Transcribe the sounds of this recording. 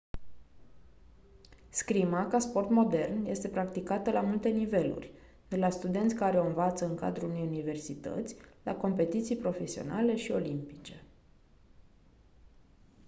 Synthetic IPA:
skɾimakaspo̞rt̪mo̞d̪e̞rnje̞st̪e̞pɾakt̪ikat̪əlamult̪e̞nive̞lṵrʲ | d̪elast̪ud̪e̞nt̪sʲkaɾe̞oɨnvat̪səɨŋka̰d̪ɾuununive̞rsit̪ə̰t̪sʲla̰ko̞mpe̞t̪it̪sijpɾo̞fe̞sio̞̰nale̞ʃio̞limpit͡ʃe̞̥

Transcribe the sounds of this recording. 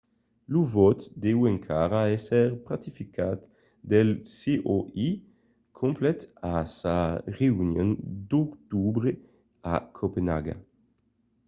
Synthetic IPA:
luvɔt̪d̪eweŋkʰaɾaɛsɛʁpɾat̪ifikʰat̪ | d̪elseʔoi | kʰomplɛt̪asareunjond̪okt̪ubɾe | a̰kʰopena̰ɡa̰

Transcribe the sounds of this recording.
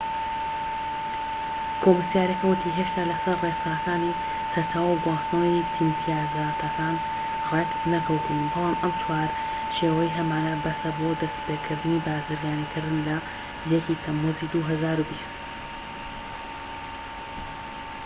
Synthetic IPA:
kʰomɨsjaːɾɐkɐwʊt̪ʰiɦeːʃt̪aːlɐsɐɾreːsanɐkaːni | sɐɾt͡ʃaːwɐɡwɑːsnɐwit̪ʰimt̪ʰijaːzaːt̪ʰɐkaːn | rɛknɐkʰɐwt̪ʰunbɐwaːmʔɐmt͡ʃʰwaːɾʃeːwɐjiɦɐmaːnɐbasɐboːd̪ɐspeːkʰɨɾd̪ɨnibaːzɨɾɡaːniːkʰɨɾd̪ɨnlɐ | jɐkit̪ʰɐmːuzid̪uɦɐzaːɾubist̪

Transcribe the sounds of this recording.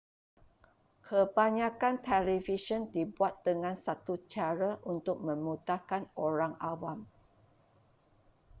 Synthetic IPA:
kʰəbaɲãkant̪ʰɛliviʃɔndibuat̪̚dəŋãnsat̪ut͡ʃaɾaʔunt̪ʊk̚mə̃mut̪akanoɾaŋawam

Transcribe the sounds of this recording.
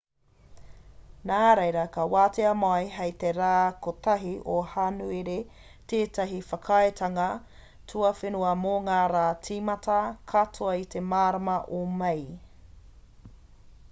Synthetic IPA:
naːɾejɾɐkɐwaːtʰeɐmajɦejt̪eɾaːkotɐɦiʔohanueɾe | teːtɐɦifɐkʰɐetʰɐŋɐ | tʰuɐfenuɐmoŋaːɾaːt͡siːmɐtʰɐkʰɐtʰoɐit̪emaːɾɐmɐʔomɐj

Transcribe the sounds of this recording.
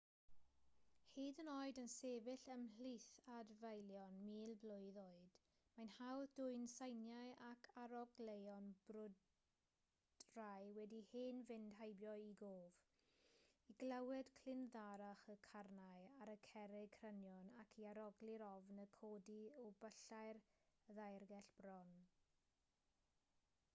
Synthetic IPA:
heːdənɔɨdənsevɪɬəmlɪθadvajljɔnmiːlˠblʊɨðoːɨd̥ | majnhawðd̥ʊɨnsajnjajakʰaɾɔɡlejɔnbrʊd | rajwɛdiheːnvɪnd̥ɦajbjɔiɡoːv | iɡlawɛd̥kʰlɪnðaɾaχəkʰarnajaɾəkʰɛɾɪkʰrənjɔnakʰiaɾɔɡlɪɾɔvnəkʰoːdiɔbəɬajrəðajrɡɛɬb̥rɔn

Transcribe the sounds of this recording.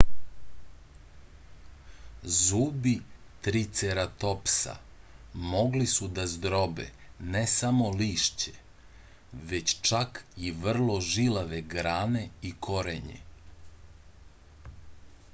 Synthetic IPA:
zuːbi | t̪ɾit̪seɾat̪o̞psa̰ | mo̞ɡlisud̪azd̪ɾo̞bḛnesamo̞liːʃt͡ɕe̥ | ʋe̞t͡ɕt͡ʃakiʋr̩lˠo̞ʒilaʋe̞ɡɾaːne̞ikʰo̞ɾeɲḛ

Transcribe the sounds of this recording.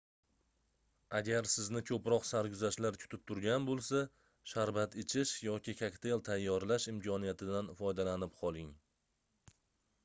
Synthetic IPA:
aɡʲaɾsɪznɪkʲʰɵpɾɒqsaɾɡʲʊzaʃlaɾkʲʰʊ̥t̪ʰɪp̚t̪ʰʊɾɡʲanbolˠsa | ʃaɾbat̪ʰɪt͡ʃʰɪʃjɒkʲʰɪkʲʰakʲt̪ʰe̞lt̪ʰajːɒɾlaʃɪmkʰɒnijat̪ʰɪd̪anfɒjd̪alanɪp̚qʰɒlˠɪŋ

